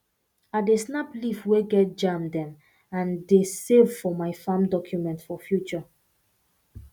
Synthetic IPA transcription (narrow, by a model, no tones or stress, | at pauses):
at̚desnaplifweɡɛt̚d͡ʒãmdɛ̃m | ãndesevfɔmaɪfãmdɔkʰjumɛ̃ntfɔfjut͡ʃɔ